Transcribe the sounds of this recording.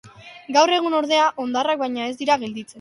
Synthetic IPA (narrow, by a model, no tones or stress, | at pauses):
ɡawre̞ɣ̞uno̞ɾðe̞aʔo̞nd̪arak̚bajɲae̞zd̪iɾaɣe̞ld̪it͡se̞n